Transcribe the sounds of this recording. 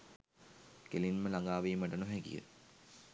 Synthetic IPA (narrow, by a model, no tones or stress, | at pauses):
kelinməlaŋɡaːʋiːməʈənuɦæɡḭjə̰